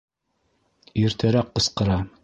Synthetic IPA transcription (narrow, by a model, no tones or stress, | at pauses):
iɾt̪æɾæqːɤ̆sqɤ̆ɾɑ